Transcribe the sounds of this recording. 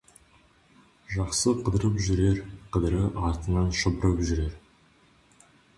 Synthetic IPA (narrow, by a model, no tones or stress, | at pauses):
ʒɑqsəqʰəd̪əɾəpʒʏɾe̞ɾqʰəd̪əɾəʔɑɾt̪ənɑnʃʊbəɾəpʒʏɾe̞ɾ